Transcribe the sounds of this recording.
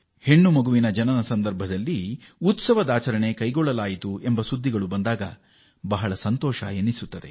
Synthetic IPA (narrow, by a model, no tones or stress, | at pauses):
he̞ɳːumɐɡuʋinɐd͡ʒɐnɐnɐsɐnd̪ɐɾbʱɐd̪ɐlːi | ut̪sɐʋɐd̪aːt͡ʃɐɾɐɳe̞kɐjɡɔɭːɐlaːjit̪ue̞mbɐsud̪ʱːiɡɐɭubɐnd̪aːɡɐ̰ | bɐɦɐɭɐsɐnt̪ɔːʃɐ̰jenːisut̪ːɐd̪e̞